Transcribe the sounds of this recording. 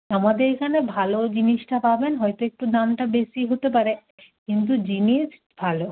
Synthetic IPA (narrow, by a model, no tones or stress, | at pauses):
amad̪eɾkʰanebʱalod͡ʑiniʃʈapabenɦɔjt̪oek̚ʈud̪anʈabesiɦot̪epaɾe | kint̪̬ud͡ʑiniʃ | bʱalo